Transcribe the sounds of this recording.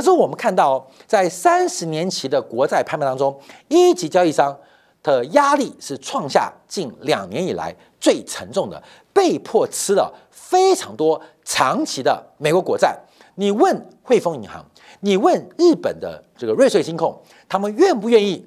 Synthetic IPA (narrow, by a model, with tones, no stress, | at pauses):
ʂɻ̩˥˩˧wɔ˨˩mə˦kʰa˥˧nt̪ɑ˥˩ʊ˩ | t͡sa˥˩ɪsa˥nʂɻ̩˧˥njɛ˧˥nt͡ɕʰi˧˥d̪ə˧kwɔ˧˥t͡sa˥˧ɪpʰa˥˧pɛ˥˧t̪ɑ˥ŋ˥ʈ͡ʂʊ˥ŋi˥t͡ɕi˧˥t͡ɕjɑ˥ʊi˥˩ʂɑ˥ŋ | t̪ə˧˩ja˥li˥˧ʂɻ̩˥˩ʈ͡ʂʰwɑ˥˧ŋɕja̰˥˧t͡ɕi˥˩nljɑ̰˨˩ŋnjɛ˧˥ni˨˩la̰˧˥ɪ | t͡swe˥˩ɪʈ͡ʂʰə̰˧˥ŋʈ͡ʂʊ˥˩ŋd̪ə̰˩ | pe˥˧ɪpʰwɔ˥˩t͡sʰɹ̩˥lə̰˨˩ | fe˥ɪʈ͡ʂʰɑ˧˥ŋt̪wɔ˥ | ʈ͡ʂʰɑ˧˥ŋt͡ɕʰi˧˥d̪ə̰˧me˨˩ɪkwɔ˧˥kwɔ˧˥t͡sa˥˩ɪ | ni˨˩wə˥˩nxwe˥˩ɪfo˥ŋi˧˥ŋxɑ̰˧˥ŋ | ni˨˩wə˥˧nɻɻ̩˥˩pə̰˨˩nd̪ə̰˦ʈ͡ʂɤ˥˩ɡə˩ɻe˥˧ɪʂwe˥˩ɪɕi˥ŋkʰʊ˥˩ŋ | t̪ʰa˥mə˨nɥɛ˥˧npu˥˧ɥɛ˥˧ni˥˩